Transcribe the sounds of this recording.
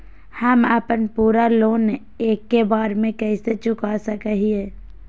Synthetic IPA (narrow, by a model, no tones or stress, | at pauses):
həməpənpuːɾaloːne | eːkːebaːɾmẽkɛɪset͡ʃʊkasəkəɦieː